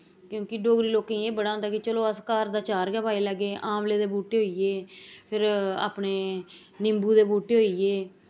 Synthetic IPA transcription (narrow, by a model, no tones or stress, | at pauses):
kjõːkɪɖoːɡɾiːloːkẽeːbəɽãːnd̪aːkɪt͡ʃəloːəskaːɾd̪aːt͡ʃaːɾɡɛːpaːiːləɡeːʔãːmleːd̪eːbuːʈeːɦoːiːeːpʰɪɾa̰ːpneː | nɪmbuːd̪eːbuːʈeːɦoːiːeː